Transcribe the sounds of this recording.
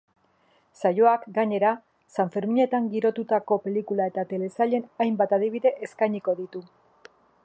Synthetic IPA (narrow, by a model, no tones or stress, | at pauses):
sajo̞akɡaɲe̞ɾa | saɱfe̞ɾmiɲe̞t̪aŋɡiɾo̞t̪ut̪ako̞pe̞likulae̞t̪at̪e̞le̞saʎe̞najmbat̪aðiβ̞iðe̞ʔeskajɲiko̞ðit̪u